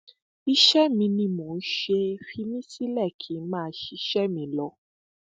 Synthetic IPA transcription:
i˧ʃɛ˦mĩ˧nĩ˧˦mõ˨n̩˦ʃe˧fi˧nĩ˦si˦lɛ˦˨kʰi˨˦mãː˦ʃi˧˦ʃɛ˦mĩ˨˧˦lɔ˧˦

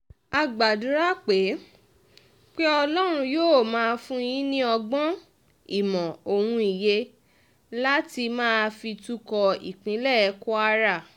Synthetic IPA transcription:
a˧ɡ͡ba˨du˨˦ɾa˦k͡pe˨˦ | k͡pe˦ɔ˧lɔ˦ɾ̃ũ˧joː˦˨mãː˦˧fũ˦˧j̃ĩ˦nĩ˦ɔ˧ɡ͡bɔ̃˦ | i˦˨mɔ̃˨o˨wũ˧i˨je˧ | la˦ti˧mãː˦˧fi˧tu˦kɔ˧ḭ˨k͡pĩ˨˦lɛ˦˨˧ko˦a˦ɾa˦˨

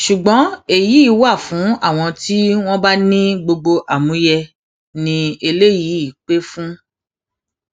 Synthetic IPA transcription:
ʃu˨ɡ͡bɔ̃˨˦e˨ji˨˦i˨˦wa˦˨fũ˨˦a˦˨w̃ɔ̃˧ti˦w̃ɔ̃˦ba˦nĩ˦ɡ͡bo˧ɡ͡bo˧ʔa˨mũ˨˦jɛ˧ | nĩ˧e˧le˦ji˨˦i˦˨k͡pe˦fũ˦

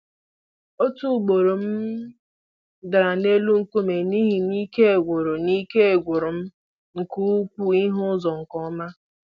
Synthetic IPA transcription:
o˦tu˦˨ɡ͡bo˨ɾo˨m̩˦ | da˨ɾa˨ne˦lu˦ŋ̩˨kʷu˦me˨ni˦ɦi˨ni˦ke˦e˨ɡʷʊ˨ɾo˨ni˦ke˦e˨ɡʷʊ˨ɾʊ˨m̩˦ | ŋ̩˨ku˦kʷu˦i˦ɦʊ˦zɔ˨ŋ̩˨kɔ˦ma˦

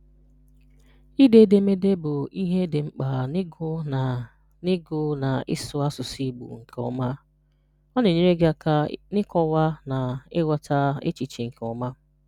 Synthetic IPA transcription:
i˦de˦de˦me˦de˦bʊ˨i˦ɦe˦dɪ˨ŋ͡m̩˦k͡pa˨n˦ɡʊ˦˨ | nɪ˦ɡʊ˦na˨ɪ̰˦sʊ˦a˦sʊ˨si˦ɡ͡bṵ˨ŋ̩˨kʰɔ̰˦ma˦ | ɔ˦ne˨ɲe˦ɾe˦ɡa˦a˦nɪ˦kɔ˦wa˦na˨ɪ˦wʷa˦ta˦ḛ˦t͡ʃi˨t͡ʃi˨ŋ̩˨kɔ˨ma˦

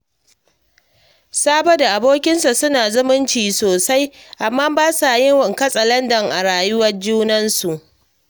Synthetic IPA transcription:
saː˦bɐ˦da˨ʔa˨boː˦kʲɪ˦nsa˨sʊ˦naː˨zʊ˦mʊ˦nt͡ʃiː˨soː˨sa˦jʔa˨mːaː˦baː˦sa˨jɪ˦ŋwɐ˨ŋkɐ˦sʼɐ˨lɐ˦ndɐ˨ŋʔa˨ɽaː˨jʊ˦wɐ˦rd͡ʒuː˦nɐ˦nsu˨ʔ

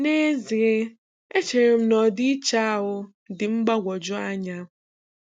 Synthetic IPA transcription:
ne˦zi˨ɪ˦ | e˦t͡ʃe˨ɾe˨m̩˦nɔ˨dɪ˦i˦t͡ʃa˦a˦˨ɦʊ˦ | dɪ˨ŋ͡m̩˦ɡ͡ba˦ɡʷɔ˨d͡ʒʊ˦a˦ɲa˦

